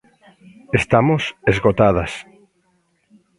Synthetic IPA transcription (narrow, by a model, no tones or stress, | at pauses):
est̪amosezɣot̪aðɐs